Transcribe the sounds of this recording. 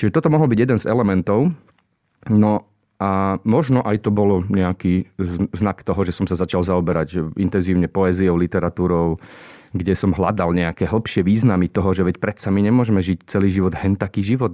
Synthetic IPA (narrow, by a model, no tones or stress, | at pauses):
t͡ʃiʒɛt̪ɔt̪ɔmɔɦɔlbiɟjɛd̪ɛnzɛlɛmɛnt̪ɔʊ | nɔ | amɔʒnɔʔajt̪ɔbɔlɔɲɛakiːznakt̪ɔɦɔʒɛsɔmsazat͡ʃalzaɔbɛɾacʔint̪ɛnziːʊɲɛpɔɛziɔʊlit̪ɛɾat̪uːɾɔʊɡɟɛsɔmɦla̰d̪alɲɛakɛːɦl̩ˠpʃɪɛʋiːznamit̪ɔɦɔʒɛʋɛcpɾɛt̪samiɲɛmʊɔʒɛmɛʒict͡sɛliːʒiʋɔd̪ɦɛnt̪akiːʒiʋɔt̪